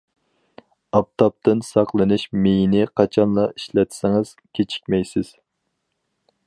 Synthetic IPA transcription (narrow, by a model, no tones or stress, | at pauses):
ɑp̚t̪ʰɑp̚t̪ɨnsɑqlˠɨnɨʃmejinɪqʰɑt͡ʃʰɑnlˠɑiʃlɛt̪sɪŋɨz̥kʲʰet͡ʃʰi̥kʲmɛjsɪz̥